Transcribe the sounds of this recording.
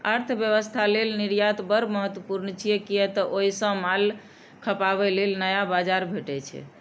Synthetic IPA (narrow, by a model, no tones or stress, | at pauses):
əɾt̪ʰbjəβəst̪ʰalelniɾjat̪bəɾməɦət̪wəpuɾnət͡ʃʰijɛkiɛt̪ɔʔoisə̃mal | kʰəpaβɛlelnəjabad͡ʒaɾbʱeʈɛt͡ʃʰɛ̰